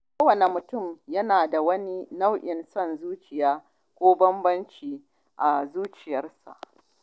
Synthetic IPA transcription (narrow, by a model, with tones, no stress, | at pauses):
koː˦wɐ˨ne˨mʊ˨tʊ˦˨mjɐ˦naː˨da˨wɐ˦ni˦na˦wʔɪ˨nsɐ˦nzuː˦t͡ʃɪ˨jaː˦ | kʷoː˦bɐ˦mbɐ˦nt͡ʃiː˨ | ʔa˨zuː˦t͡ʃɪ˨jɐ˦rsa̰˨ʔ